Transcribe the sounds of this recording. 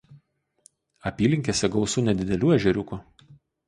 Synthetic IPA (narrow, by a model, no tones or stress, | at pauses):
ɐpʲiːlʲɪŋʲkʲeːsʲɛɡɒʊsuːnʲɛd̪ʲɪd̪ʲɛlʲuːɛʒʲɛɾʲʊku